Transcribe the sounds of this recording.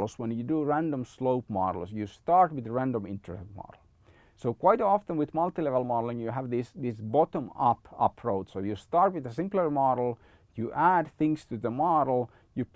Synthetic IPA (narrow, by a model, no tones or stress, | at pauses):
lswə̃njɨduɹæ̃ndə̃msloʊpmɑ̰ɾl̩ˠsjɨstɑɹt̚wɨðɹæ̃ndə̃mɪ̃ntʰɹət̚mɔ̰ɾl̩ˠ | soʊkw̥aɪtɔfə̃nwɪðmʌlˠt̪ilɛvəlˠmɑɾl̩ˠɪ̃njɨɦævðɪsðɪsbɑtə̃mʌpʌ̰pʰɹoʊdsoʊjɨstɑɹt̚wɨðəsɪ̃mplə˞mɔɾl̩ˠ | jɨʔæd̪θɪ̃ŋstʰɨðəmɑɾl̩ˠ | jɨp